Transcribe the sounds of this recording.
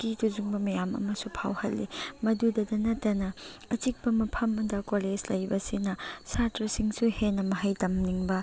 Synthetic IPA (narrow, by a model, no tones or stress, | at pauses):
kituzuŋbɐmɐjamɐ̰mɐsupʰa̰whɐlːḭmɐdudɐdɐnɐtːɐnɐɐt͡ʃik̚bɐmɐpʰɐmdɐkoled͡ʒlɐjbɐsinɐsatɾɐsiŋsuhenːɐmɐɦɐjtɐmniŋbɐ